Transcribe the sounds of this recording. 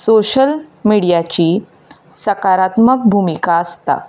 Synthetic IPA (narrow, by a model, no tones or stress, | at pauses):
soɕəlmiɽijat͡ɕiː | səkaɾat̪mək̚bʱumikaəst̪a̰